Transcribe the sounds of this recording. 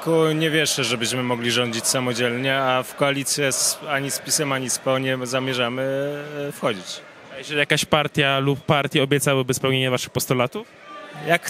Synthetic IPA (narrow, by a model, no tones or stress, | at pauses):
kuɲɛvʲjɛʂɛʐɛbɘɕmɘmɔɡlʲiʐɔɲd͡ʑit͡ɕsamɔd͡ʑɛlɲɛafkɔalʲit̪sʲjɛsaɲispʲisɛmaɲispɛwɲɛmzamʲjɛʐamɘfxɔd͡ʑit͡ɕ | ajɛzɛlʲjakaɕpaɾt̪ʲjalupːaɾt̪ʲjaɔbʲjɛt̪sawabɘspɛwɲeɲɛvaʂɘxpɔst̪ɔlat̪uf | jak